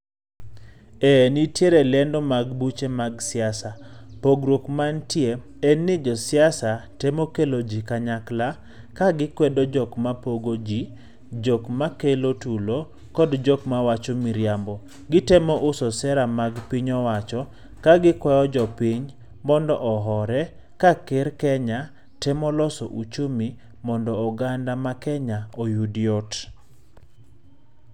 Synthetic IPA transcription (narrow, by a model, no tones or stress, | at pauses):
ɛnitjeɾelɛndɔmaɡbut͡ʃemaɡsɪasapoɡɾokmantje | ɛnːɪd͡ʒɔsɪasatemokelod͡ʒikaɲakla | kaɡɪkwɛdɔd͡ʒɔkmapoɡod͡ʒi | d͡ʒɔkmakelotulo | kɔdd͡ʒɔkmawat͡ʃɔmiɾjambɔ | ɡɪtɛmɔʔʊsɔsɛɾamaɡpiɲɔwat͡ʃɔ | kaɡɪkwajɔd͡ʒɔpiɲ | mɔndɔʔɔɦɔɾɛ | kakeɾkɛɲa | tɛmɔlɔsɔ̰ʔut͡ʃomi | mɔndɔɔɡandamakɛɲaojudjɔt